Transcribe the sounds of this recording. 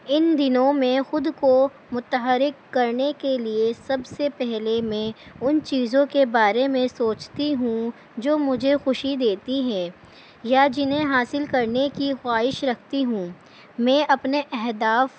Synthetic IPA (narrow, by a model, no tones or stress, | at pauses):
ɪnd̪ɪnõmẽxʊd̪ko | mʊt̪əɦəɾɪkːɐɾnekeliesɐbsepɛɦlemẽʊnt͡ʃiːzõkebaːɾemẽsoːt͡ʃt̪iɦũ | d͡ʒoːmʊd͡ʒʱexʊʃid̪eːt̪iɦɛ̃ː | jad͡ʒɪnẽɦaːsɪlkɐɾnekixwaːɪʃɾɐkʰt̪iɦũː | mɛ̃ːʔɐpneʔɛɦd̪aːf